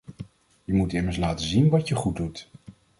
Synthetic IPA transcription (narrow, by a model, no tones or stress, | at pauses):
jəmutɪməɹslaːtəzinʋɑtjəχud̚ut